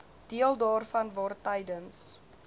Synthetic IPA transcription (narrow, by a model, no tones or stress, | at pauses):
d̥iəlˠdɑːrfɐnvɑːrtəjdəns